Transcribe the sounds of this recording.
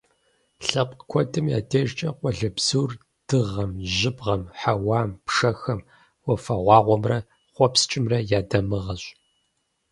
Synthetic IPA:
ɬɐpʷʼkʷʰɔtʼɨmja̰ːtʰeːʒt͡ʃʼɐqʷʼɔɮɐbz̥uːr | d̥ɨʁɐmʑɪbʁɐmħawɑːmpʂɐxɐm | wɔfɐʁʷɑːʁʷɔmrɐ | χʷɔpst͡ʃʼɪmrɐjaːdɐmɨʁɐɕ

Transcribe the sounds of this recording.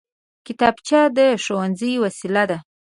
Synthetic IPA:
kɪt̪ɑbt͡ʃɑd̪əʃowanzəjwasilad̪a

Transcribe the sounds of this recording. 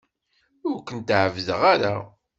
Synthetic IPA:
ʊɾkənt̪ʕəvðəʁaɾa

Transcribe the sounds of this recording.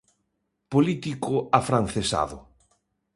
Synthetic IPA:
polit̪ikʊafɾanθesa̰ðʊ

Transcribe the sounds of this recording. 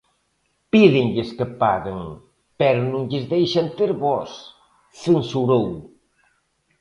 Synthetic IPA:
piðeŋʎeskəpa̰ɣeŋ | pɛɾonũŋʎezðejʃant̪eɾβɔs | sensuɾow

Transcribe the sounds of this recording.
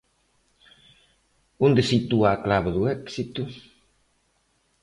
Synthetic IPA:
ũnd̪esit̪uaːklaβɐðuɛksit̪u

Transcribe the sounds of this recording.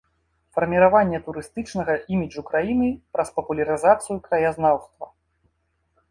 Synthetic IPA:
fɐrmʲiɾavanʲːɛt̪uɾɨst̪ɨt͡ʂnɐɣɐʔimʲid͡ʐukɾajinɨpɾʔɐspɐpulʲɐɾɨzat̪sɨjukɾɐjaznawst̪vɐ̰

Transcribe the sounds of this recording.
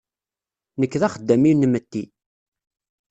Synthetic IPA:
nəkːðæχəd̪ːæminmət̪ːi

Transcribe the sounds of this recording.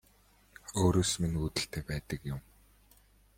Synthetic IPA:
oːɾoːsminuːt̪ɘ̆ɬt̪ʰeːpæːt̪ə̆kjʊm

